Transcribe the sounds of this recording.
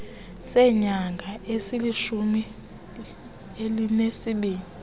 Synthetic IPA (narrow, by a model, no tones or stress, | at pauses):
sɛɲaŋɡʱaesiliʃumi | elinesiɓiːni